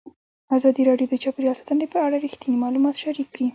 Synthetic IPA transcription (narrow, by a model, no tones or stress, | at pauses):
azɑd̪iɾɑɖjod̪ət͡ʃɑpeɾijɑsḁt̪ənepəaɽaɾixt̪inimɑlumɑt̪ʃaɾikːɽi